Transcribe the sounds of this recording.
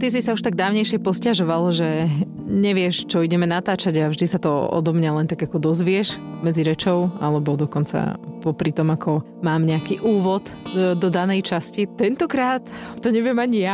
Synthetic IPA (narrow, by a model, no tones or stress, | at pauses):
t̪is̬isauʃt̪aɡ̚d̪aːʊɲɛjʃɪɛpɔscaʒɔʋalʒɛ | ɲɛʋɪɛʃt͡ʃɔiɟɛmɛnat̪aːt͡ʃaɟavʒd̪isat̪ɔɔ̰d̪ɔmɲalɛnt̪aɡakɔd̪ɔzʋɪɛʃmɛd͡ziɾɛt͡ʃɔʊa̰lɛbɔd̪ɔkɔnt͡sa̰pɔpɾit̪ɔmakʰɔ | maːmɲɛakiːʔuːʋɔt̪d̪ɔd̪anɛjt͡ʃascit̪ɛnt̪ɔkɾaːt̪ːɔɲɛʋɪɛmaɲija